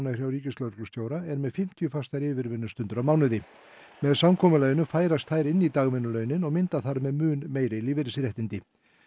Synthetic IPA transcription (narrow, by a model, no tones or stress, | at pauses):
nar̥jawɾiːcɪslœɥɾklʏst̪joːwɾaɛɾmɛðfɪm̥t̪ʰjʏfast̪aɾɪːvɪɾvɪnːʏst̪ʏnt̪ʏɾawmaːwnʏðɪ | mɛðsamkʰɔːmʏlœːjnʏfaːjɾast̪θajɾɪnːit̪aːɣmʏnːʏlœɥnɪnɔɣmɪnt̪aθaɾmɛðmʏːnmeːjɾɪlɪːvɪɾɪsɾjɛht̪ɪnt̪ɪ